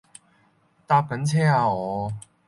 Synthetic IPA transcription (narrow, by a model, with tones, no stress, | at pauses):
t̪a˥˧kə˨˦nt͡sʰɛ˥˧a˧ɔ˨˦